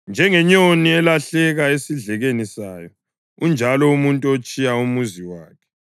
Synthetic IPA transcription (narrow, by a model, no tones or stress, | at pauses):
nd͡ʒʱɛŋɛɲoniɛlaɬɛɣaesiɮɛɣenisaːjɔ | und͡ʒʱalɔumuntʼuot͡ʃʼijaumuziwaːkʰɛ̥